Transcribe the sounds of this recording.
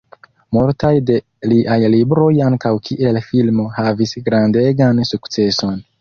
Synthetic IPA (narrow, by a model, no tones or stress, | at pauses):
multajde̞ | liʔajlibɾo̞jaŋkawkʰiʔe̞lfilmo̞havisɡɾande̞ɡansukt͡se̞so̞n